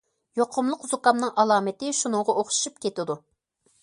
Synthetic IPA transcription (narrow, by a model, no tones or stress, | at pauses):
joqʰʊmlˠəqzukɑmnɨŋʔɑlˠɑːmɪt̪ɪʃunɨŋʁɑʔoχʃu̥ʃupkʲet̪ɪd̪u